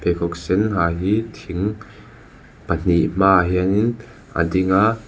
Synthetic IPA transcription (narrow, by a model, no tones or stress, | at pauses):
pɛkʰɔk̚sɛnɦaːɦit̪ʰiŋ | pən̥iʔm̥aːɦianin | ʔə̰diŋaʔ